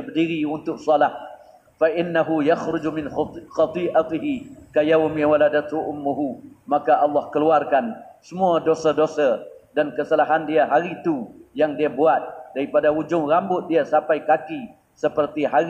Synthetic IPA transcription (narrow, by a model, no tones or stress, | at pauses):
bdiɾiunt̪ʊk̚sɔlah | faʔɪnːaɦujaxɾʊd͡ʒumɪnxɑt̪ˤiʔat̪ɪɦikajawmiwaladat̪huʔʊmːuɦumakaʔɑlːɑhkəluarkansəmũadosadosadankəsalaɦandiaɦaɾit̪ujaŋdiabuat̪̚d̥aɾipadaud͡ʒʊŋrambʊt̪̚diasampajkaki | səpərt̪iɦaɾ